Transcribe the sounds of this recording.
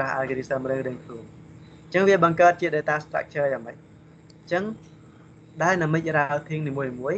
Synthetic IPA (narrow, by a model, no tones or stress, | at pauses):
ahʔa̰lkəɾisəːmrɨŋrɨəŋkʰluəŋ | ɲt͡ɕəŋʋiəɓɑŋkaət̪̚t͡ɕiəɗəjt̪aːst̪ra̰k̚ʰt͡ɕʰəːjaːŋməc̚ | t͡ɕəŋ | ɗaɛlnəmɨc̚raət̪ʰiəŋniːmuəjniːmuəj